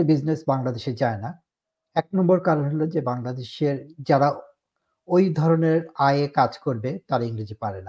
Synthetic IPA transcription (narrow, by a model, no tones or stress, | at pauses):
bid͡ʑnesbaŋlad̪eʃed͡ʑaena | ɛk̚nɔmboɾkaɾoɦolod͡ʑebaŋlad̪eʃeɾd͡ʑaɾa | ojd̪ʱɔɾoneɾajekad͡ʑkoɾbet̪aɾaiŋɾid͡ʑipaɾena